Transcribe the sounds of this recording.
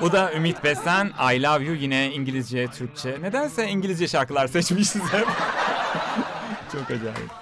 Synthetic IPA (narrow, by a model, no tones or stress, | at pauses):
bud̪aymit̪besæna̰jlʲˠavjujinɛiɲɟilʲizd͡ʒɛt̪ʰyɾc̚t͡ʃʰɛne̞d̪ænsɛiɲɟilʲizd͡ʒɛʃaɾkɯlˠaɾsɛt͡ʃmiʃsizhɛp | t͡ʃʰo̞kad͡ʒɛ̰lḭ